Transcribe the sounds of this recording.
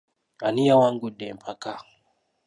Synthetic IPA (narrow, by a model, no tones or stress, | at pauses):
anijawaŋɡudɛmpʰaka